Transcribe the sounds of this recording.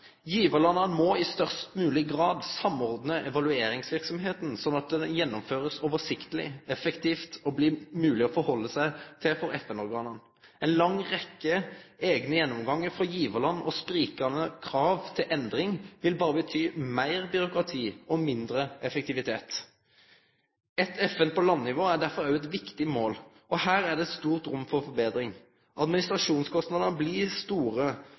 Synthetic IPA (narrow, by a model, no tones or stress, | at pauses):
jiːʋəlɑnənmɔɪst̪œʁst̪mʉːlɪɡɾɑːd̪sɑmɔʁd̪nəʔɛʋɑlʉeːɾɪŋsʋɪʁksɔmɦeːt̪n̩sɔnːɑt̪̚d̪ɛjɛnːɔmføːɾəsɔːʋəsɪkt̪əlɪ̰ɛfəkt̪ʰiːft̪ɔbliːmʉːlɪɔfɔɾhɔlːəsæɪt̪ʰɪlfɔɾɛfɛnɔɾɡɑːnən | ɛɪnlɑŋʁɛkːəeːɡnəjɛnːɔmɡɑŋːəfɔjiːʋəlɑnɔspɾiːkɑnəkʰʁɑːʋt̪ʰɪlʔɛnd̪ɾɪŋʋɪlbɑːɾəbət̪ʰyːmæɪʁbʏɾʊkɾɑt̪ʰiːɔmɪnd̪ɾəʔɛfək̚t̪ɪʋɪt̪ʰeːt̪ | ɛt̪ʰɛfɛnpʰɔlɑnːɪʋoːæɖæʁfɔɾɑʉɛt̪ʋɪkt̪ɪmoːl | ɔhæːɾæɖɛst̪uːʁt̪ɾʉmːfɔʁfɔbeːd̪ɾɪŋ | ʔɑd̪mɪnɪst̪ɾɑʂuːnskʰɔst̪nɑd̪ənəblɪst̪uːʁə